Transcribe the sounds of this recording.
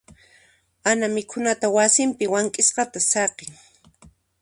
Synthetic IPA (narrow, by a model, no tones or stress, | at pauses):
anamɪkʰʊnat̪awasɪmpɪwaŋkʼɪsqɑt̪asɑqɪŋ